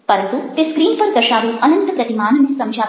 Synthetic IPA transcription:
pɐɾɐnt̪ut̪eːskɾiːnpɐɾd̪ɐʃaːʋuʔɐnɐnt̪əpɾɐt̪imaːnɐnesɐmd͡ʒʱaː

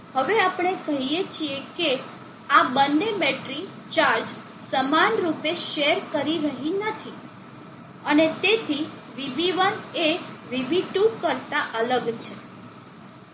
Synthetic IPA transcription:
həʋeapəɳ̃ekəɦiet͡ʃʰieke | abənːemeʈɾi | t͡ʃaɾd͡ʒ | səmanɾupeʃeɾkəɾiɾəɦinət̪ʰi | ənet̪et̪ʰi | ʋibiʋəneʋibiʈukəɾt̪aʔələɡt͡ʃʰe

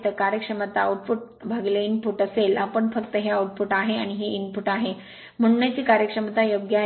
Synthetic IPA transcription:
t̪əkaɾjəkʂəmət̪auʈfuʈ̚bʱaɡleinpuʈəselapəɳfəkt̪əɦeauʈ̚puʈaɦeaɽ̃iɦeinpuʈaɦe | m̤əɳ̃unat͡ɕiːkaɾjəkʂəmət̪ajoɡja

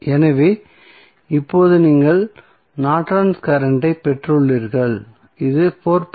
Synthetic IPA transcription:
ɛnɐʋeː | ɪpːoːðɯniːŋɡɐɭ | naːʈɾɐnskɐɾɐɳɖɐɪpɛʈrɯɭːiːɾɣɐɭ | ɪðɯpʰoːɾp

